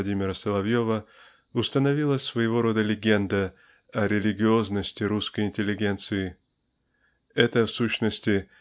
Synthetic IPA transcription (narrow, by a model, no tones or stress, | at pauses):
ɐdʲimʲɪɾəsəlˠɐvjo̞və | ʊst̪ənɐvʲilˠəsvəjɪvo̞ɾo̞d̪əlʲɪɡʲend̪ə | ɐɾʲɪlʲɪɡʲɪo̞znəsʲtʲɪɾuskəjɪnʲtʲɪlʲːɪɡʲe̞nt̪sɨɪ | ɛt̪əfsuɕnəsʲtʲɪ